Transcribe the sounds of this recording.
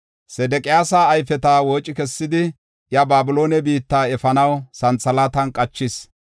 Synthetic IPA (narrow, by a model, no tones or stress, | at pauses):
sɛd̪ɛkʼɪjaːsaːjfɛt̪aːwoːt͡ʃʼːɪkɛsːɪd̪ɪ | jɐbaːbʊlo̞ːnɛbiːt̪ːaːɛfɐnɐwsɐnt͡sːɐlaːt̪ɐnkʼɐt͡ʃːɪs